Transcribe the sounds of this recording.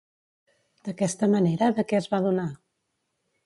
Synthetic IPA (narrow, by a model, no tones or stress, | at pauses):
d̪̥əkɛst̪əməneɾəðəkɛəzβaðuna